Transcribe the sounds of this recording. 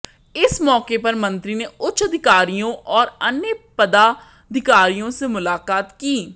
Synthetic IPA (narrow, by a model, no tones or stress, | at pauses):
ɪsmɔːkeːpəɾmə̃nt̪ɾiːneʊtːʃʰəd̪ʱɪkaːɾijõːʔɔːɾənːepəd̪aː | d̪ʱɪkaːɾijõːsemʊlaːkaːt̪kiː